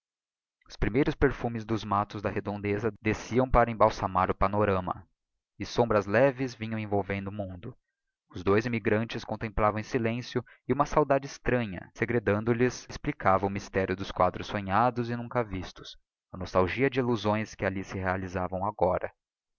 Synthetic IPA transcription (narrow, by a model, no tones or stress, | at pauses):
ʊspɾimejɾʊspeɾfumɪzd̪ʊzmat̪ʊzd̪ɐhed̪õnd̪ezɐd̪esiɐ̃w̃paɾɐẽbawsamaɾʊpanoɾɐ̃mɐ̰ | ɪsõmbɾɐzlɛvɪzvĩɲɐ̃w̃ẽvowvẽnd̪ʊːmũnd̪ʊ | ʊzd̪ojzimiɡɾɐ̃nt͡ʃɪskõnt̪ẽmplavɐ̃w̃ẽsilẽsjʊ | ɪũmɐsawd̪ad͡ʒɪɪst̪ɾɐ̃ɲɐ̰seɡɾed̪ɐ̃nd̪ʊlɪsɪsplikavɐ̃ʊmist̪ɛɾjʊd̪ʊskwa̰d̪ɾʊsõɲad̪ʊzɪnũkɐvist̪ʊ̥s | ɐnost̪awʒiɐd͡ʒɪiluzõj̃skɪalisɪhealizavɐ̃w̃aɡɔɾɐ̰